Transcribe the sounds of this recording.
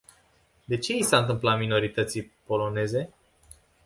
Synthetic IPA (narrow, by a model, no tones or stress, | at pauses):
d̪e̞t͡ʃe̞isaɨnt̪ɨmplat̪mino̞ɾit̪ət̪sijpo̞lo̞ne̞ze̞